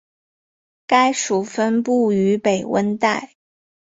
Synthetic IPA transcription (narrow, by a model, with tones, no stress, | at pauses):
ka˥ɪʂu˨˩fə˥npu˥˩y˧˥pe˨˩ɪwə̰˥nt̪a˥˩ɪ